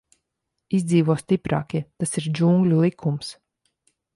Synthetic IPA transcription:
izd̪ziːvuɔst̪ipɾa̰ːkit̪asiɾd͡ʒuŋɡlʲulˠikʰums

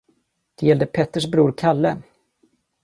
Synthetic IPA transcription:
d̪̥ɛjɛld̪əpʰɛt̪ːəʂbɾuːɾkʰalːə

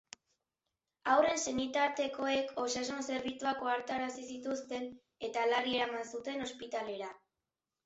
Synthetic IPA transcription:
awre̞nse̞nit̪aɾt̪e̞ko̞e̞kʰo̞sasonse̞ɾβit͡suakoaɾt̪aɾasisit̪ust̪e̞n | e̞t̪alarie̞ɾamansut̪e̞no̞spit̪ale̞ɾa

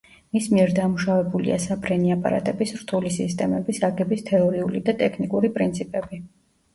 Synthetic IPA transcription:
mismiɛɾd̪amuʃavɛbulḭa̰sapʰɾɛniapʼa̰ɾa̰t̪ʼɛbisɾt̪ʰulisist̪ʼɛmɛbisaɡɛbist̪ʰɛɔɾiulḭd̪at̪ʼɛkʰnikʼuɾipʼɾint̪sʰipʼɛbi

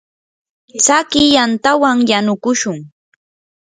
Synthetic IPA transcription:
t͡sakɪjant̪awaŋjanʊkʊʃʊŋ

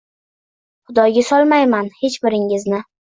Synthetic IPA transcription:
χʊd̪ɒjɡʲasɒlˠmajmanhe̞t͡ʃbɪɾɪŋɪznɪ

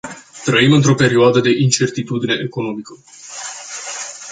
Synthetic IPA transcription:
t̪ɾəimɨnt̪ɾo̞pe̞ɾioad̪əd̪e̞ʔint͡ʃe̞rt̪it̪ud̪ine̞ʔeko̞no̞mikə

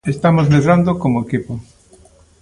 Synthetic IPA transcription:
est̪amozmeðɾand̪okomoekipo

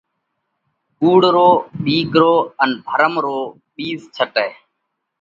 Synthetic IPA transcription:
kuːɽɾoːɓiːkɾoːənb̪ʱəɾəmɾoː | ɓiːzt͡ʃʰəʈɛː

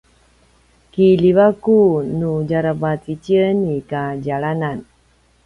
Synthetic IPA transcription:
kilivakunud͡ʒaɾapat͡sit͡ɕiənikaɟaɭanan

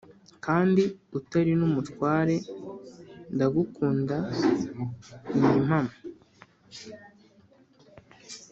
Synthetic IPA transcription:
kaːndiutaɾinumutkwaːɾe̞ | ndaɡukuːnda | ɲim̥hamo

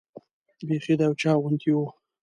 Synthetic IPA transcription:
bexid̪awt͡ʃɑwʊnt̪iwu

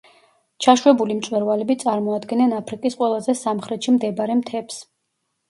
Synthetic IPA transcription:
t͡ʃʰaʃwɛbulimt̪sʼwɛɾvalɛbit̪sʼaɾmɔad̪ɡɛnɛnapʰɾikʼisqʼwɛlˠazɛsamχɾɛt̪ʃimd̪ɛbaɾɛmt̪ʰɛps

